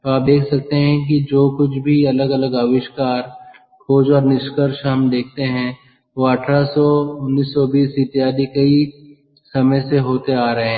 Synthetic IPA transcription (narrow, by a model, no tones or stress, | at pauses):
t̪oaːp̚d̪eːkʰsɐk̚t̪eɦɛ̃k̬id͡ʒoːkʊt͡ʃʰbʱiɐləɡɐləɡaːʋɪʃkaːɾ | kʰoːd͡ʒɔːɾnɪʃkəɾʃɦɐmd̪eːk̚ʰt̪eɦɛ̃ | ʋoəʈʰɾasɔʊnːiːsːɔbiːsit̪ijaːd̪ikɐi | sɐməjseɦoːt̪eaːɾɐɦẽɦɛ̃